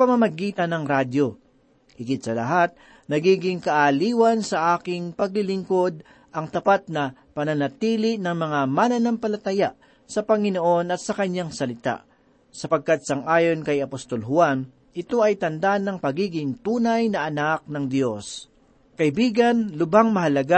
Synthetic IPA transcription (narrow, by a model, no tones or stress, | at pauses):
pɐmɐmɐɡiːt̪ɐnːɐŋɾaːd̪jo̞ | hɪɡɪt̪̚sɐlɐɦat̪̚ | nɐɡiːɡɪŋkɐʔaliːwɐnsɐʔaːkɪŋpɐɡ̚lɪlɪŋko̞d̪̚ | ʔɐŋt̪ɐpat̪̚nɐ | pɐnɐnɐt̪iːlɪnɐŋmɐŋamanɐnɐmpɐlɐt̪ɐjaʔ | sɐpɐŋɪnoʔo̞nɐt̪̚sɐkɐɲːaŋsɐlɪt̪a̰ʔ | sɐpɐɡ̚kat̪̚sɐŋʔaːjo̞nkɐjɐpost̪o̞lɦʊan | ʔɪt̪o̞ʔɐjt̪ɐnd̪anɐŋpɐɡiːɡɪŋt̪uːnɐjnɐʔɐnak̚nɐŋd̪jo̞s | kɐʔɪbiːɡɐnlʊbaŋmɐɦɐlɐɡa